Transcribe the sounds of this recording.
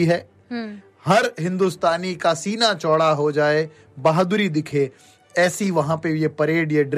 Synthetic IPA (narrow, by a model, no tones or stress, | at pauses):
iɦɛː | hɐɾɦɪ̃nd̪ʊst̪aːnikasiːnat͡ʃɔːɽaɦod͡ʒaːe | baːɦd̪ʊɾid̪ɪkʰe | ɛːsiʋɐɦãpeʋɪepɐɾeːɖjeɖɾ